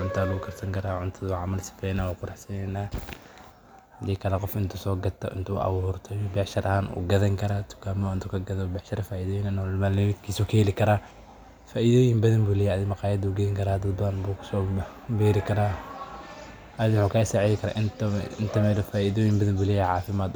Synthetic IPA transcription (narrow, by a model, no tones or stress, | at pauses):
ʕʊnt̪ʰaːlʊɡʊkʰɐɾsɐŋkʰɐɾaːʕʊnt̪ʰɐðʕɑmɐlsɪ̥fɛjnaːwakʰʊɾaħsɐnɛnaː | hɐd̪iːkʰɐlɛqɔfɪnt̪ʰʊsɔːɡɐt̪ʰːɐ̰ʔɪ̰nt̪ʰṵʔɐ̰wʊhʊɾt̪ʰɐjbɛʃɐɾʔɐhaːnʔṵːɡɐðɐŋkʰɐɾaːt̪ʰʊ̥kʰaːmɔɪnt̪ʰukʰɐɡɐðɔbɛħʃɐɾɐfaːʔiðɔːjɪnɐnlmaːlɪmd̪kʰiːsɔkʰhɛlɪkʰɐɾaː | faːʔiðɔːjɪmbɐðɐmbuːlɛjɛɐðɪmɐqɑːjɐd̪uːɡɛjɪŋkʰɐɾaːd̪ɐd̪bɐðɐnbuːkʰsɔːbɛːɾɪkʰɐɾaː | ʔɐðɪmħuːkʰasaʕiðɪkʰɐɾa̰ːʔɪnt̪ɪnt̪ʰɐmɛdɔfaːʔɪðɔːjɪmbɐðɐmbuːlɛjɛʕɑːfɪmaːd̪